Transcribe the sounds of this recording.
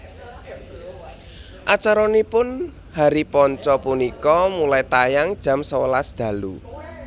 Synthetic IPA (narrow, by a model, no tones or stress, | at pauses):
ʔat͡ʃaɾɔnipʊn | haɾipɔɲt͡ʃɔpunikɔmulajt̪ajaŋd̥ʒ̥a̤msəwəlasd̪̥ä̤lṵ